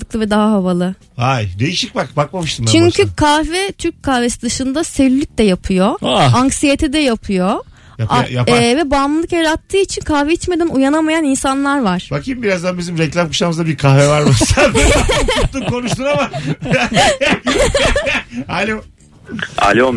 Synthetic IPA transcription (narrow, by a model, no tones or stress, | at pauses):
ɯklˠɯvɛd̪aɦaɦavalˠɯ | ajd̪e̞jiʃic̚bakbak̚mamɯʃt̪ɯnat͡ʃyɲcʰykʰavɛt̪ʰyɾc̚ʲkʰːahvesid̪ɯʃɯnd̪aselylʲyc̚d̪ɛjapʰɯjo̞aaŋksije̞t̪ʰid̪ɛjapʰɯjo̞ | jaajavɛbamlɯlˠɯkjaɾat̪ʰːɯːit͡ʃʰinkʰahveit͡ʃme̞d̪inujanamajaninsanlˠaɾvaɾ̥bakimbiɾazd̪anbizimɾɛclʲamku̥ʃamɯzd̪abiɾkʰahvɛvaɾmasaat̪t̪ːukʰo̞nuʃt̪unama | alʲo | a̰lʲom